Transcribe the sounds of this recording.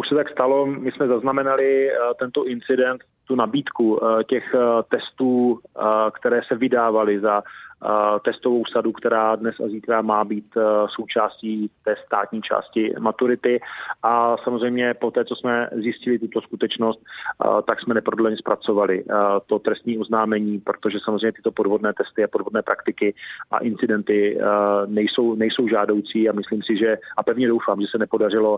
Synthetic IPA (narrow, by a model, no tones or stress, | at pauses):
ʔuʃsɛt̪akst̪alo̞mɪsmɛzaznamɛnalɪt̪ɛnt̪oʔɪnt͡sɪdɛnt̪ːunabiːt̪kucɛxt̪ɛst̪uː | kt̪ɛɾɛːsɛvɪdaːvalɪza | t̪ɛst̪o̞vo̞wsadukt̪ɛɾaːdnɛsa̰ziːt̪ɾamaːbiːt̪so̞wt͡ʃaːsciːt̪ɛːst̪a̰ːt̪ɲiːt͡ʃa̰ːscɪmat̪uɾɪt̪ɪʔasamozrɛjmɲɛpot̪ɛːt͡so̞smɛzjɪscɪlɪt̪ut̪o̞skut̪ɛt͡ʃno̞st̪t̪aksmɛnɛpɾodlɛɲɛspɾat͡so̞valɪt̪o̞t̪ɾɛst̪ɲiːʔo̞znaːmɛɲiːpɾot̪oʒɛsamozrejɲɛt̪ɪ̥t̪o̞po̞dvo̞dnɛːt̪ɛst̪ɪapodvo̞dnɛːpɾʔakt̪ɪkɪʔa̰ʔɪnt͡sɪdɛnt̪ɪ | nɛjso̞wnɛjso̞wʒaːdo̞wt͡siːamɪsliːmsɪʒɛʔapɛvɲɛdowfaːmʒɛsɛnɛpo̞dar̝ɪlo̞